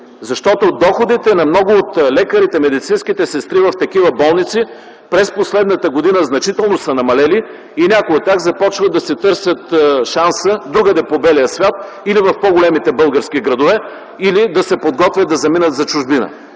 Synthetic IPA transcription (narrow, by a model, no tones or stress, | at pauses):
zɐʃt̪ɔt̪od̪ɔxod̪it̪ɛnɐmnɔɡʊːt̪lɛkəɾit̪ɛmɛd̪it̪sinsk̟it̪ɛsɛst̪ɾivɐft̪ɐkivəbɔlˠnit̪si | pɾɛsposlɛd̪nət̪əɡod̪inəznɐt͡ʃit̪ɛlˠnosɐnɐmɐlɛli | inʲakoət̪aɣzɐpɔt͡ʃvəd̪ɐsɛt̪ɤɾsʲət̪ʃansəd̪ɾuɡəd̪ɛpobɛlijəsvʲat̪ | ilivɐfpoɡolɛmit̪ɛbɤlˠɡəɾsk̟iɡɾɐd̪ovɛ | ilid̪ɐsɛpod̪ɡɔt̪vʲjəd̪ɐzɐminət̪zɐt͡ʃʊʒbinə̰